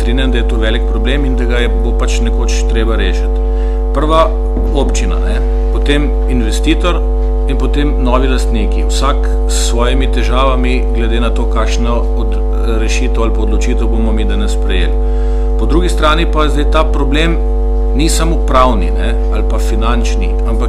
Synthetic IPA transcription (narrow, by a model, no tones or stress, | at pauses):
t̪ɾinjand̪ɐjɛt̪oːʋɛlik̚pɾɔblemind̪aɡajɛbopat͡ʃnɛkoːt͡ʃt̪ɾeːbaɾeːʃət̪ | pəɾʋa | oːpt͡ʃina̰nɛ | pɔt̪em | inʋɛst̪iːt̪ɔɾ | inpɔt̪emnɔʋilast̪nikiwsak | sːʋɔːjimit̪ɛʒaːʋami | ɡlɛd̪eːnat̪oːkaːkʃnɔ | od̪ | ɾɛʃiːt̪əwalpaod̪lɔt͡ʃiːt̪əwbomɔmid̪aːnɛspɾɛjḛːl | pɔd̪ɾuɡist̪ɾaːnipazd̪ɛjt̪apɾɔblem | nisamopɾawnḭnɛ | alpafinant͡ʃnḭ | ampak